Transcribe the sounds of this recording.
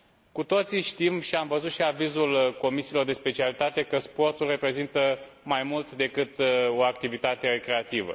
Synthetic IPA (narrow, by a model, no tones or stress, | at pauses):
kut̪o̞t̪siʃt̪imʃiamvəzut̪ʃiavizulko̞misiːlo̞rd̪e̞spe̞t͡ʃialit̪at̪e̞kəspo̞rt̪ulre̞pɾe̞zint̪əmajmult̪d̪e̞kɨt̪o̞akt̪ivit̪at̪e̞rekɾe̞at̪ivə̰